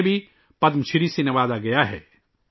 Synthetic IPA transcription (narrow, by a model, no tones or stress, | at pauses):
bʱi | pɐd̪mt͡ʃʰɪɾisenɪʋaːd̪aɡɐjaɦɛ̰ː